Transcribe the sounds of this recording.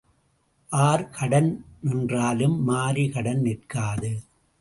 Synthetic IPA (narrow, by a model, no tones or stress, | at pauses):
ʔaːɾkʰɐɽɐnnɪndraːlɯmːaːɾikɐɽɐnnɪrkaːðɯ